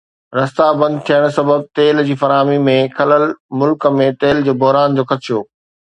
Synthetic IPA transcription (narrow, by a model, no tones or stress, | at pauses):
ɾɐst̪abɐ̃nd̪̚t̪ʰijəɽ̃sɐbəb̚t̪eːld͡ʑiːfɐɾaːmimẽkʰɐləlmʊlkəmẽt̪eːld͡ʑoːbʊɦɾaːnd͡ʑoːxɐt̪ʃʰjoː